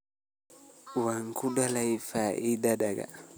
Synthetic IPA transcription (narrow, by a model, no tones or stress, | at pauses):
waŋkʰuɗalaifaʔidadaɡa̰